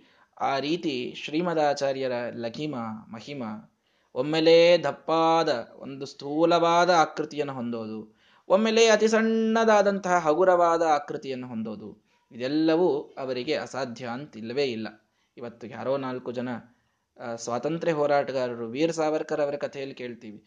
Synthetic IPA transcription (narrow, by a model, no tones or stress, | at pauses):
aːɾiːt̪iʃɾiːmɐd̪aːt͡ʃaːɾjɐɾɐlɐkʰimɐmɐhimɐ | omːeled̪ʱɐpːaːd̪ɐo̰nd̪ust̪ʰuːlɐʋaːd̪ɐaːkɾit̪ijɐnːuɦo̞nd̪oːd̪u | omːeːleɐt̪isɐɳːɐd̪aːd̪ɐnt̪ɐɦɐɦɐɡuɾɐʋaːd̪ɐaːkɾit̪ijɐnːuɦo̞nd̪o̞ːd̪u | id̪ɛlːɐʋuɐʋɐɾiɡe̞ɐ̰saːd̪ʱjɐɐnt̪ilːɐʋe̞ːilːɐ̰ | iʋɐt̪ːukja̰ːɾoːnaːlkud͡ʒɐnɐ | sʋaːt̪ɐnt̪ɾeɦɔːɾaːʈɐɡaːɾɐɾuʋiːɾɐsaːʋɐɾkɐɾɐʋɐɾɐkɐt̪ʰejɐlːike̞ːɭt̪iːʋi